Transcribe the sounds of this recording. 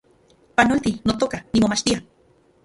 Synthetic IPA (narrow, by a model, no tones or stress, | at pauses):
panolt̪inot̪okanimomaʃt̪ia